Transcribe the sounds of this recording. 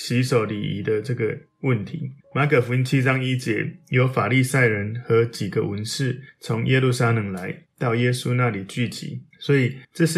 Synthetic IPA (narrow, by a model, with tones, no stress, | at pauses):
ɕi˧˥ʂo˨˩ʊlḭ˨˩ḭ˧˥d̪ə˧ʈ͡ʂɤ˥˩ɡə˩ | wə˥˨˩nt̪ʰḭ˨˧˥ma˧˥kʰə˨˩fu˧˦i˦˥nt͡ɕʰi˦˥ʈ͡ʂɑ˦ŋi˦t͡ɕjɛ˧˥jo˧˦ʊfa˨˩li˥˧sa˥˩ɪɻə˧˦nxɤ˧˥˦t͡ɕi˨˩ɡə˨wə˧˦nʂɻ̩˥˩t͡sʰo˧˥ŋjɛ˦˥lu˥˩sa˥lə˨˩˦ŋla˧˦ɪt̪ɑ˥˩ʊjɛ˥su˦na˥˨li˨˩t͡ɕy˥˩t͡ɕḭ˧˥˦swɔ˧˥i˨˩ʈ͡ʂə˥˧ɕ̩˥